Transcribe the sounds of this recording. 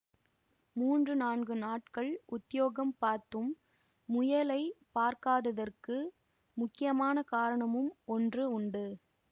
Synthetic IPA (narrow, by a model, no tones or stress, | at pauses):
muːndrɯnaːnɡɯnaːʈkɐɭʔʊt̪ːɪjoːɣɐmpaːɾt̪ɯmː | ʊjɐlɐɪpaːɾkaːðɐðɐrkɯ | mʊkːɪjɐmaːnɐkaːɾɐɳɐmɯmɔndrɯʊɳɖɯ